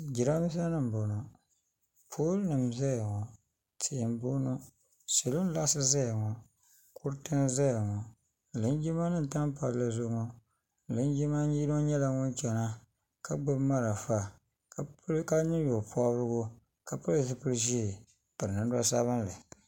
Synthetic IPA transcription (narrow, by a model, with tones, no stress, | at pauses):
d͡ʒi˨ɾa˦mi˦s̬a˦nɨ˦m˨bo˨nɔ˨ | pʰoː˦lnɨ˨mza˦jŋɔ˨ | tʰi˨m˦bo˦no˦ | se˨lo˦n˦la˦sɨ˦za˦˨ŋɔ˨ | kʰu˦ɾtɨ˦nza˦˨ŋɔ˨ | lɨ˨˦n˦d͡ʒi˦ma˦nɨ˦n̩˨ta˦m˦pa˨ɾla˨zʊ˦ŋɔ˦ | lɨ˦n˦d͡ʒi˦ma˦ɲi˦no˦ɲɛ˦la˨ŋʊ˦nt͡ʃɛ˨na˦ | ka˦ɡ͡bɨ˦bma˦ɾa˨fa˦ | ka˦ɲi˦jo˨pɔ˦bɾɨ˦ɡo˦ | ka˨pa˦lzɨ˦pɨ˦ɾʒi˦˨ | pɨ˨ɾɨ˨nɨ˦n˦da˦sa˦βɨ˦nlɨ˨